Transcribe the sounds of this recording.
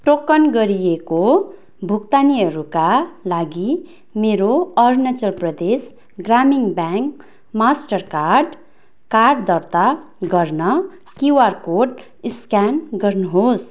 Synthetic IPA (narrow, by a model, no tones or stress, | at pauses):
ʈokʌnɡʌɾijeko | bʱukt̪aniʌɾukalaɡi | meɾoʌrnʌt͡sʌlprʌd̪es | ɡramiŋbjaŋk | masʈʌrkarɖ | karɖd̪ʌrt̪a | ɡʌrnʌ | kiwarkoɖ | iskanɡʌrnuɦos